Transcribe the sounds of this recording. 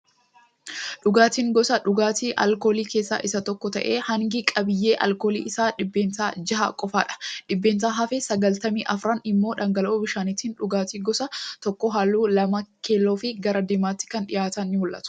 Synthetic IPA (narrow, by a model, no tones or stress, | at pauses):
ᶑʊɡaːt̪iːŋɡɔsɐᶑʊɡaːt̪iːʔɐ̰lko̞ːliːke̞ːsːa̰ːʔɪsɐt̪ɔkːɔt̪ɐ̰ʔe̞̰ːhɐŋɡɪkʼɐbɪjːeːʔɐ̰lko̞ːlḭːʔɪsaːᶑɪbːe̞ːnsaːd͡ʒɐɦa̰ːkʼɔfaːᶑɐ̥ᶑɪbːe̞ːnsaːɦɐfɛsɐɡɐlt̪ɐmḭːʔɐfɾanɪmːo̞ːᶑɐŋɡɐloːbɪʃaːnɪt̪iːnᶑʊɡaːt̪iːɡɔsɐt̪ɔkːɔɦaːlːuːlɐmɐkʰeːlːoːfɪɡɐɾɐd̪ɪmaːt̪ːɪ̥kɐnᶑɪjaːt̪ɐnːɪwɔlʔɐ̰t̪ʊ̥